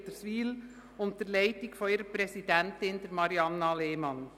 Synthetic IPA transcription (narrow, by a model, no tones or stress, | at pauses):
d̥əsʋiːl | ʊnt̚d̥ɛɾlæɪtɪkfɔiɾəpɾɛsidɛntɪndɛɾmɑɾiɑnːɑleːmɑn